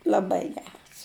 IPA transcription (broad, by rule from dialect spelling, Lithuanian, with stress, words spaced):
lˠɐˈbɐɪ ˈɡʲæːrɐs